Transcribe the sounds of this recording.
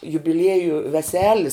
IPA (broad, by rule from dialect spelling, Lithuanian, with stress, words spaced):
jʊbʲɪˈlʲiɛjʊ ʋʲɛˈsʲæːlʲɪs